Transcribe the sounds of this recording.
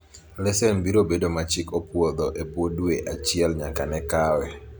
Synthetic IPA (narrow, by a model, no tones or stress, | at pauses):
lɛsɛnbiɾobedomat͡ʃɪkopwod̪ɔʔebwodweʔat͡ʃɪɛlɲakanɛkawɛ